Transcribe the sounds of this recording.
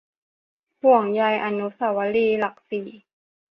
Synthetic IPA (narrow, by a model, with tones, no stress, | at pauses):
pu˨˩əŋja˧jʔa˧nu˦sa˧˩wa˧˦liː˧la˨˩k̚siː˨˩˦